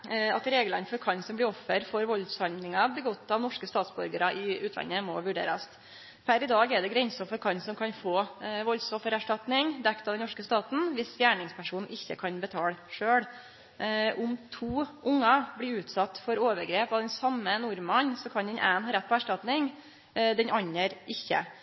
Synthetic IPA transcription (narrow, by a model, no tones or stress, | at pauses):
ɑt̪ɾeːɡəlɑnfɔɾkʰɑnsɔmblɪɔfəɾfɔɾʋɔlshɑnlɪŋɑblɪɡɔt̪ːɑʋnɔʂkəst̪ɑːt̪sbɔ̰ɾɡəɾɑʔɪʉːt̪ʰlɑ̰nəmɔʋʉɖḛːɾəst̪ | pʰæɾɪd̪ɑːɡɛɖ̪ɛɡɾɛnsɔfɔɾkʰɑnsɔmkʰɑnfoːʋɔlsɔfəɾæʂʈɑt̪nɪŋd̪ɛkt̪ɑd̪ɛnɔʂkəst̪ɑːt̪n̩ʋɪsfjæːɳɪŋspʰæʂuːnn̩ɪçːəkʰɑnbət̪ʰɑːlʂøːɽ | ʔʊmt̪ʰuːʔʊŋːɑbɽɪʉːt̪sɑt̪ːfɔɾoːʋəɾɡɾeːpɑd̪ɛnsɑmːənʊɾmɑnsɔkʰɑnd̪ɛnʔḛːnɦɑːɾɛt̪̚ːpʰɔæʂʈɑt̪nɪŋ | d̪ɛnɑɲːəɾʔɪçːə̰